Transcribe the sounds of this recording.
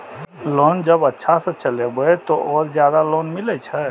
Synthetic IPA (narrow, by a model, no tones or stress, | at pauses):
loːnd͡ʒəbətːʃʰasə̃t͡ʃəlebəet̪oʔɔːɾzjaːd̪aloːnmilet͡ʃʰə